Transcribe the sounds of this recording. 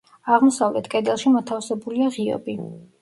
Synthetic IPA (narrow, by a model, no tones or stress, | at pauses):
aʁmsavlɛ̰t̪ʰkʼɛd̪ɛlˠʃimɔt̪ʰafsɛbuliaʁiɔ̰bi